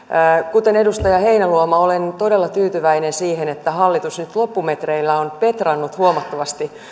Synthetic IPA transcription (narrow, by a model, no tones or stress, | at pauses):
kut̪ene̞dust̪ɑjɑhe̞inæluomɑolent̪o̞delːɑt̪yːt̪yʋæinensiːhenet̪ːæhɑlːit̪usnyt̪lopːumet̪reilːæonpe̞t̪rɑnːut̪huomɑt̪ːoʋɑst̪i